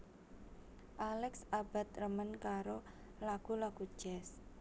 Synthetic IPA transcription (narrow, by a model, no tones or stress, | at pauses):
ʔalɛksab̥a̤t̪̚rəmənkaɾo | laɡ̥ṳlaɡ̥u̥d͡ʒ̥ɛs